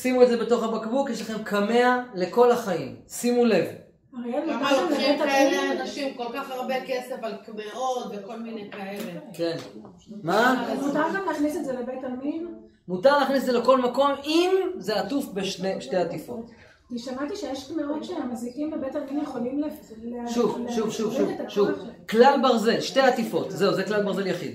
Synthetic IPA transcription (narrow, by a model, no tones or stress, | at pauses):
simuedze̞be̞to̞χabakbukjeʃ̬laχe̞mkʰameale̞ko̞laχaimsimule̞v | aʁejemumaametaaeleanaʃimko̞lkaχaʁbekesefalkmeʁotveko̞lminejkaeleken | maamut̪aʁɡamlæːχnisetzelebetalmin | mutaʁleaːχnisedzeleko̞lmako̞mimzeatufbeʃneʃte̞jat̪ifo̞̰t | tiʃamat̪iʃejeʃkmeʁotʃeamazikimlebetalmimjeχolimleleaʃuvʃuvʃuviet̪aʃʃuklalbaʁze̞lʃte̞jat̪ifo̞tze̞uzeklalbaʁze̞ljaχḭd̪